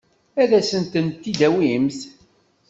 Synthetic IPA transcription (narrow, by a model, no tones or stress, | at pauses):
æðæsənt̪ənt̪ːid̪æwimθ